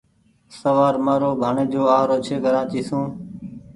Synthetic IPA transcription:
səʋaːɾmaːɾoːbʱaːɳeːd͡ʒoːaːɾoːt͡ʃʰeːɡəɾãːt͡ʃiːsũː

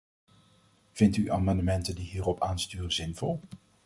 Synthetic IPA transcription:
v̥ɪntyʔaːmɑndəmɛntəndiɦiːrɔpʰaːnstyːrəzɪnv̥ɔlˠ

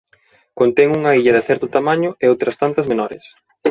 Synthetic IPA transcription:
kont̪ɛŋuŋɐiʎɐðɪθɛɾt̪ʊt̪amaɲʊɛowt̪ɾɐst̪ant̪ɐzmenɔɾɪ̰s

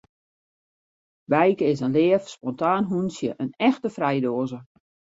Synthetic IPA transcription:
bɛjkəɪsənlɪəfspɔntaːnɦunsjəʔənɛxtəfrɛjdoːzə

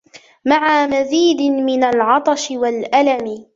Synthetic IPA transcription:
maʕamaziːd̪ɪmɪnalʕɑt̪ˤɑʃɪwalʔalamɪ

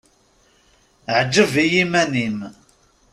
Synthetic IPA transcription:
ʕd͡ʒːəvijimænim

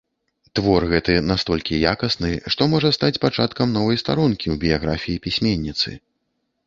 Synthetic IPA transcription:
t̪vɔrɣɛt̪ɨnast̪ɔlʲkʲijakɐsnɨʂt̪ɔmɔʐɐst̪at͡sʲpat͡ʂat̪kɐmnɔvɐjst̪aɾunkʲiwbʲijaɣɾafʲijipʲisʲmʲenʲːit̪sɨ̰

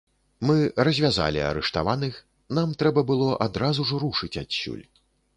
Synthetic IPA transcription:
mɨrɐzʲvʲaza̰lʲḭɐ̰ɾɛʂt̪avanɨx | n̪amt̪ɾɛbɐbɨlˠɔʔad̪ɾazuʐɔɾuʂɨt͡sʲat͡sʲːṵlʲ

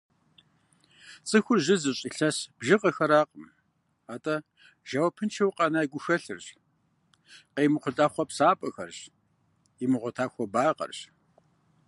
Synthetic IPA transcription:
t͡sʼɨxʷʊrʑɪzɨɕʼiɬɐsb̥ʒɪqʼɐxɐɾaːqʼəm | aːtʼɐ | ʒ̥ɐwɐpʰɨnt͡ʃʰɐwqʼɐnaːjɡʷʊxɐɬɨrɕ | qeːmɨχʷʊɮʼaːχʷɔpsaːpʼɐxɐrɕ | imɨʁʷɔtʰaːxʷɔbaːqʼɐ̰rɕ

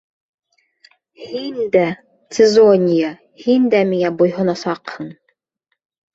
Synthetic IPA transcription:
hind̪æ | sʲɪzonʲɪja | hind̪æmiŋæbujɦŏnɑsɑqhɤɴ

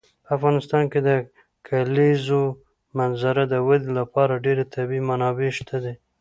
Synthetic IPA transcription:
pəafɣɑnɪst̪ɑnked̪ə | kʰalezo | manzaɾad̪əwad̪ilapɑɾaɖeɾet̪ʰabimanɑbeʃt̪ʰad̪e

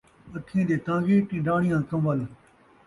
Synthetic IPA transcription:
ət̪ʰĩːd̪eːt̪ãːɡeːʈĩːɖaːɳɪjãːkɐ̃mʋəl

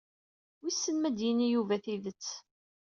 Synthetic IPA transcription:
wisːənmæd̪jinijuvæθiðət͡sː

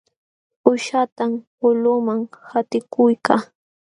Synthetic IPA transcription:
ʊʃat̪ampʊlʊmaŋhat̪ɪkʊjkaː

